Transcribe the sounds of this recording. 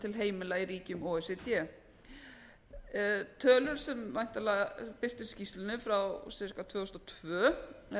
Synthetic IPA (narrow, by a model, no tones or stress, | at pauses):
t̪ʰɪlɦeːjmɪlaiɾiːcʏmoːɛsɪt̪jɛ | t̪ʰœːlʏɾ̥sɛmvajn̥t̪alapɪr̥t̪ʏscist̪lɪnɪfɾawsɪskat̪ʰv̥œːhɔst̪ɔt̪ʰvœː